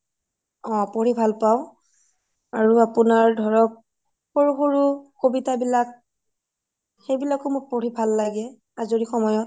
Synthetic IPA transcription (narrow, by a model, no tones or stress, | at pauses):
ɔ̃poɹibʱalpaʊ̃ | aɹuapʊnaɹdʱɔɹɔk̚ | xoɹuxoɹukobitabilak̚ | xejbilakʊmoɹpoɹibʱalːaɡɛ | azoɹixɔmɔjɔt